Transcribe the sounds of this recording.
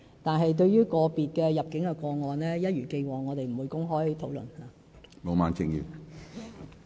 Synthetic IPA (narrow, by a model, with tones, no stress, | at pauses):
t̪aː˨nɦɐ˨jt̪̬ɵ˧ɥjyː˥kɔː˧piː˨t̚kɛː˧jɐ˨p̚kɪ˨˥ŋkɛ˧kɔː˧ŋɔː˨nlɛː˥jɐ˥t̚jyː˨˩ke˧jwɔː˨ŋɔː˨˧t̪e˨jm̩˨˩wu˨˧jkʊ˥ŋɦɔː˥jt̪ʰo˨˥wlɵ̰˨nhaː˨ | mo˨˧maː˨˧nt͡sɪ˧ŋjḭː˨˩w